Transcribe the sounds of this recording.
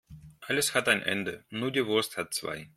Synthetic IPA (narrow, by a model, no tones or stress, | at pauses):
ʔaləshataɪnʔɛ̰ndənuːɐdiːvʊɐsthat̚t͡sv̥a̰ɪ